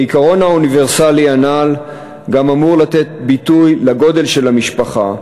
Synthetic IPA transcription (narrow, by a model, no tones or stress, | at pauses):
ikaʁo̞naunive̞ʁsalianal | ɡamamuʁlat̪e̞t̪̚bitujlaɡo̞de̞lʃe̞lamiʃpaχa